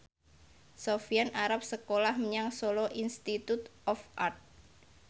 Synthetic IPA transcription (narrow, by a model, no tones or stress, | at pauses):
sofianaɾap̚səkolahməɲaŋsolɔʔinst̪it̪ut̪ʔɔfʔart̪̚